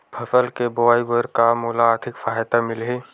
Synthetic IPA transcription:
pʰɐsəlkeboaːibəɾkamuːlaːt̪ʰɪkfaːjt̪amɪlɦe

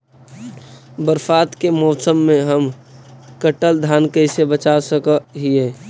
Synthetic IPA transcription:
bəɾfaːt̪kemɔːsəmːẽɦəmkəʈəld̪ʱaːnkəɪsebət͡ʃasəkəɦieː

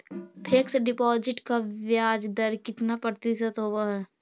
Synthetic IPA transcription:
pʰeksɖɪpɔːd͡ʒɪʈkaʋjaːd͡ʒd̪əɾkɪt̪napɾət̪ɪsət̪ɦoaɦɛː

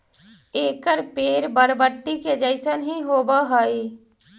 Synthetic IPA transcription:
eːkəɾpeːɾbəɾbəʈːiked͡ʒəɪsənɦiɦoːbaɦoi

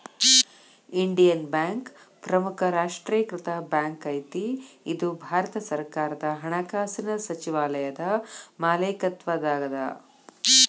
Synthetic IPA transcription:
iɳɖijɐnbjaːŋk | pɾɐmukʰɐɾaːʂʈɾijɐkɾɪt̪ɐbjaːŋkɐjt̪iid̪ubʱaːɾɐt̪ɐsɐɾkaːɾɐd̪ɐɦɐɳɐkaːsinɐsɐt͡ʃiʋaːlɐjɐd̪ɐmaːleːkɐt̪ʋɐd̪aːɡɐd̪ɐ̰

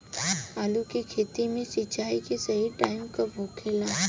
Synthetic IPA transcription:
aːlukikʰeːt̪imẽsɪt͡ʃaːikesɐɦiʈaːɪmkaboːkʰeːlaː

